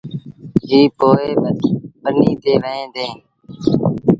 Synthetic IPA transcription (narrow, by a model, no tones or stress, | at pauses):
ɦiːpoːeːbətpəniːt̪eːʋəẽːd̪eː